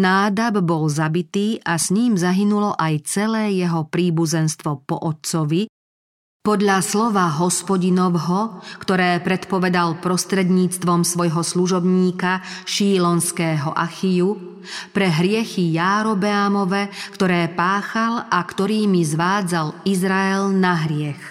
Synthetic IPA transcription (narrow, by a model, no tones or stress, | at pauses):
naːd̪abbɔlzabit̪iːʔasɲiːmzaɦinulɔʔajt͡sɛlɛːjɛɦɔpɾiːbuzɛnst̪ʋɔpɔʔɔt͡sɔʋi | pɔd̪ʎaslɔʋaɦɔspɔɟinɔʋɦɔkt̪ɔɾɛːpɾɛt̪pɔʋɛd̪alpɾɔst̪ɾɛd̪ɲiːt͡st̪ʋɔmsʋɔjɦɔsluʒɔbɲiːkaʃiːlɔnskɛːɦɔʔaxiju | pɾɛɦɾɪɛxijaːɾɔbɛamɔʋɛkt̪ɔɾɛːpaːxalakt̪ɔɾiːmizʋaːd͡zalizɾaɛlnaɦɾɪɛx